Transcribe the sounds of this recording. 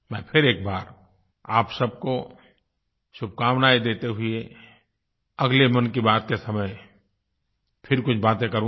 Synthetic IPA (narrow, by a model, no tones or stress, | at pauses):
mɛ̃ːpʰɪɾeːk̚baːɾ | aːpsɐb̚ko | ʃʊb̚ʱkaːmnaːid̪eːt̪eɦʊe | ɐɡlemɐnkibaːt̪̚kesɐməj | pʰɪɾkʊt͡ʃʰbaːt̪ẽkəɾũ